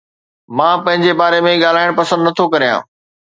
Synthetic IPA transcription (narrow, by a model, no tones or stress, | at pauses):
mãːpɐ̃ɦɪ̃ɲd͡ʑebaːɾemẽɠaːl̤aːɪɽ̃pɐsə̃nd̪nɐt̪ʰokɐɾijã̰ː